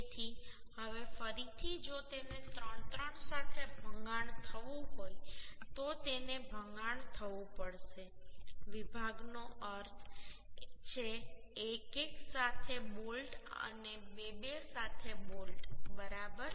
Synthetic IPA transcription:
t̪ʰiɦəʋefəɾit̪ʰid͡ʒot̪enet̪ɾəɳt̪ɾəɳsat̪ʰebʱəŋɡaɳt̪ʰəʋũɦojt̪ot̪enebʱəŋɡaɳt̪ʰəʋũpəɽʃeʋibʱaɡnoʔəɾt̪ʰ | t͡ʃʰeː | keksat̪ʰemulʈə̰nebebesat̪ʰemulʈbəɾabəɾ

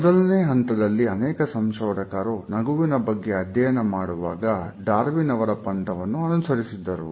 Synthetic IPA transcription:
ɔd̪ɐlɐneːɦɐnt̪ɐd̪ɐlːiɐnɛːkɐsɐmʂɐːɾɐkaːɾunɐɡuʋinɐbɐɡːe̞ɐd̪jɐjɐnɐmaːɽuʋaːɡɐɖaːɾʋinɐʋɐɾɐpɐnt̪ɐʋɐnːuɐnusɐɾisid̪ːɐɾṵ

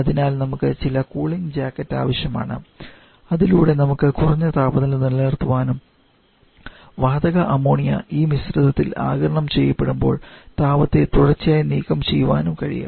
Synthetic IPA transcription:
ɐðinaːlnɐmukːɨt͡ɕilɐkuːɭiŋd͡ʑaːkːɐtːa̰ːʋɐɕjɐma̰ːɳɨ̰ | ɐðiluːɽe̞nɐmukːɨkurɐɲːɐt̪aːbɐðilniɭːeːrt̪uʋaːnum | ʋaːd̪ɐɣɐʔɐmoːɳijɐ̰ʔiːmisrɐðɐt̪ːila̰ːɡɐɾɐɳɐmt͡ɕe̞jːɐpːe̞ɽumbo̞ːɭt̪aːbɐt̪ːe̞t̪uɽɐrt͡ɕːijaːjniːkɐmt͡ɕejːuʋaːnumkɐɻḭjṵm

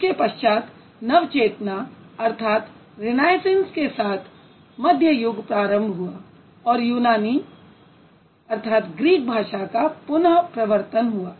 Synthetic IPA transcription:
kepɐʃt͡ʃaːt̪ | nɐʋt͡ʃeːt̪naɐɾt̪ʰaːt̪ | ɾɪnaːjɪsẽnskesaːt̪ʰ | mɐd̪ʱjəjʊɡpɾaːɾə̃mbʱɦua | ɔːɾjuːnaːni | ɐɾt̪ʰaːt̪ɡɾiːk̚bʱaːʃakapʊnɦpɾɐʋəɾt̪ənɦuaː

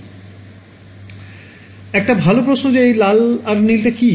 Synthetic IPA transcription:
ɛk̚ʈabʱalopɾosnod͡ʑeejlalaɾnilʈ̪eki

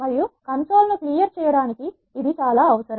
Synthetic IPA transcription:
mɐɾijukɐnso̞ːlnukliːjɐɾt͡ʃɛːjɐɽaːnikiː | d̪it͡ʃaːlaːɐʋɐsɐɾɐ

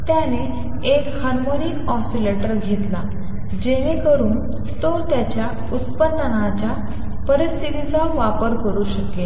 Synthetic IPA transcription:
t̪jane | ekhaɾmonikɔsileʈəɾɡʱet̪la | d͡ʑenekəɾuːn | t̪ot̪jat͡ɕja | ut̪pənd̪ənat͡ɕja | pəɾist̪ʰit̪it͡saʋapəɾkəɾuːɕəkle

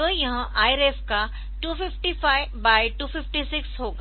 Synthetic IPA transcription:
ojɐɦãʔaːjɾefka | ʈuːfɪfʈifaːɪ | baːiʈuːfɪfʈisɪksɦoːɡa

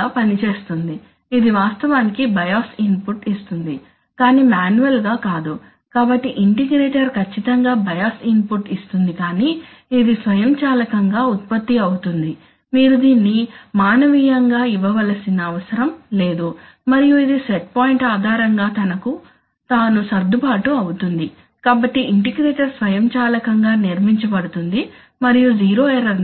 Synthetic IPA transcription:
aːpɐnit͡ʃe̞ːst̪und̪i | id̪iʋaːst̪ɐʋaːnikibɐjaːsinpuʈist̪und̪i | kaːniːmaːnuʋɐlɡaːkaːd̪u | kaːbɐʈːiʔiɳʈiɡɾeːʈɐɾkʰɐt͡ʃːit̪ɐŋɡaːbɐjaːsinpuʈist̪und̪ikaːni | id̪isʋɐjɐmt͡ʃaːlɐkɐŋɡaːut̪̚pɐt̪ːiɐwut̪und̪i | miːɾud̪iːnːimaːnɐʋiːjɐŋɡaːiʋɐʋɐlɐsinɐːʋɐsɐɾɐmle̞ːd̪u | mɐɾijuid̪iseʈ̚poːjiɳʈaːd̪ʱaːɾɐŋɡaːt̪ɐnɐku | t̪aːnusɐɾd̪ʱupaːʈuɐwut̪und̪i | kaːbɐʈːiʔiɳʈiɡɾeːʈɐɾsʋɐjɐmt͡ʃaːlɐkɐŋɡaːniɾmiɲt͡ʃɐpɐɽut̪und̪i | mɐɾijud͡ʒiːɾoːeɾɐɾ

